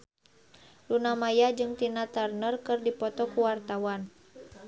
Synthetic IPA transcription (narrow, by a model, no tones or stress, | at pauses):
lunamajad͡ʒɨŋt̪inat̪arnərkɨrdipɔt̪ɔkuwart̪awan